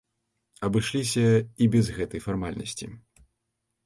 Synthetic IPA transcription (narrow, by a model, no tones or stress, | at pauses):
ɐbɨʂlʲis̬ʲɐibʲɛzɣɛt̪ɐjfarmalʲnɐ̰sʲt͡sʲḭ